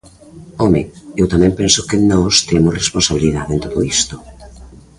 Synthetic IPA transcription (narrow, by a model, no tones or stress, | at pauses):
ɔmeewt̪amɛ̃mpensokenɔst̪emoresponsaβiliðaðẽnt̪oðo̰ist̪o